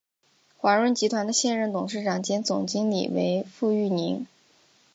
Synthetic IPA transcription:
xwa˧˥ɻwə˥nt͡ɕi˧˥t̪ʰwa˧˥nd̪ə˧ɕjɛ˥˧nɻə˥˩nt̪ʊ˨˩ŋʂɻ̩˥˩ʈ͡ʂɑ˨˩ŋt͡ɕjɛ˥nt͡sʊ̰˨˩ŋt͡ɕi˥ŋlḭ˨˩wḛ˧˥ɪfu˥˧y˥˩ni˧˥ŋ

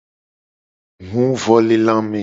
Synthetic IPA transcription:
ŋũ˦vɔ˦le˦lã˦mɛ̃˨

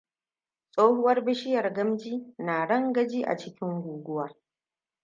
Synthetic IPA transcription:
sʼoː˦hʊ˦wɐ˦rbɪ˦ʃɪ˦jɐ˨rɡɐ˦md͡ʒiː˦naː˨ɽɐ˦ŋɡɐ˦d͡ʒiː˦ʔa̰˨t͡ʃɪ˦kʲɪ˦ŋɡʷuː˨ɡʷʊ˦waː˦

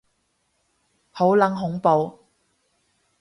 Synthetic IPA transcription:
ho˨˥wlɐ˨˥ŋɦʊ˨˥ŋpo˨w

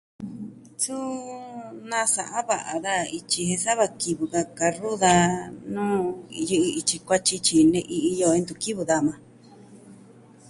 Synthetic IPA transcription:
t͡su˦ | nã˦˧sa˨ʔã˦βa˨ʔa˨ða˦i˧t͡ʃi˧hẽ˧sa˦βa˧ki˧βu˧ka˧ka˧ru˦ða˧nũː˦˧jɨ˧ʔɨ˧i˧t͡ʃi˧kʷa˦t͡ʃi˧t͡ʃi˧˨nẽ˧ʔi˧ʔi˧jo˧ẽ˧nd̪u˧ki˦βɨ˧ða˧˨mã˧

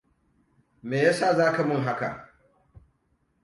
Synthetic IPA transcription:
meː˨ja˦saː˦˨zaː˦ka˨mʊ˦˨ŋɦa˦ka̰˨

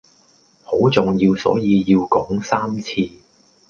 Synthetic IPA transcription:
ho˨˥wt͡sʊ˨ŋjiː˧wsɔ̰ː˨˥jiː˧jiː˧wkɔː˨˥ŋsaː˥mt͡sʰiː˧

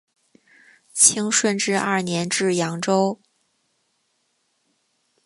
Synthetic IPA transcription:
t͡ɕʰi˥ŋʂwə˥˧nʈ͡ʂɻ̩˥˧ɐ˥˩njɛ˧˥nʈ͡ʂɻ̩˥˩jɑ˧˥ŋʈ͡ʂo˥ʊ

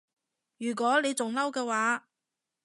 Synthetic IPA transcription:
jyː˨˩k̬ʷɔː˨˥le˨˧jt͡sʊ˨ŋlɐ˥wkɛː˧waː˨˥

